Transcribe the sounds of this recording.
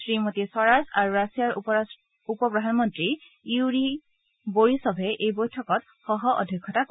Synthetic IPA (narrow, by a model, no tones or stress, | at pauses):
sɹimotisɔɹasaɹuɹasijaɹ | upɔpɹɔdʱanmɔntɹi | iwɹi | boɹisɔbʱɛʔejbojtʰɔkɔt | xɔɦɔʔɔ̰dʱɔkʰːɔtak